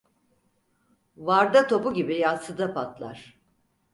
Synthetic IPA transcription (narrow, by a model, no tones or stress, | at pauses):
vaɾd̪at̪ʰo̞buɟibijasɯd̪apʰat̪ʰlˠa̰ɾ̥